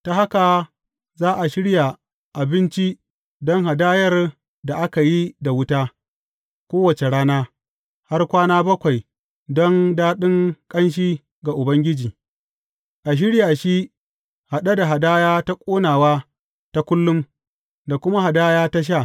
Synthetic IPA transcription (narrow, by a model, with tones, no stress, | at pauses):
ta˨ha˦ka˨ | zaː˦ʔa˨ʃɪ˦ɽja˨ | ʔa˨bɪ˦nt͡ʃi˦ | dɔ˦ŋɦa˨daː˦jɐ˦r | da˨ʔa˦ka˨ji˦da˨wʊ˦taː˦ | kʷoː˦wɐ˨t͡ʃe˨ɽaː˦naː˦ | ha˦rkʷaː˦naː˦bɐ˦kʷa˨j | dɔ˦ŋdaː˦ɗɪ˦ŋkʼɐ˦nʃ̬iː˦ | ɡa˨ʔʊ˨bɐ˦ŋɡʲɪ˦d͡ʒiː˨ | ʔa˨ʃ̬ɪ˦ɽjaː˨ʃi˦ | ha˨ɗa˦da˨ɦa˨daː˦jaː˦ta˦kʷʼoː˦naː˨waː˦ | ta˦kʷʊ˦lːʊ˦m | da˨kʷʊ˦ma˦ɦa˨daː˦jaː˦ta˦ʃ̬a˦˨